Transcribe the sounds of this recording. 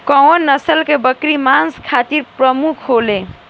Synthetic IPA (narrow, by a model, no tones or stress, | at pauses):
kɔonːəsəlkebəkɾimanskʰat̪iɾpɾəmukʰɦole